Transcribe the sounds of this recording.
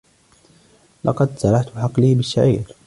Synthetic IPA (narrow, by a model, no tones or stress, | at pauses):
lʔɑqɑd̪sɑɾˤɑħt̪bɪħɑqlɪhbɪʃːaʕḭːɾ